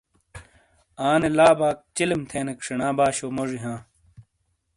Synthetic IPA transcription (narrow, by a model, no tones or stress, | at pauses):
aːnelaːbaːk̚t͡ɕilimt̪ʰeːnekʂeɳãːbaːɕoːmoʐiɦãː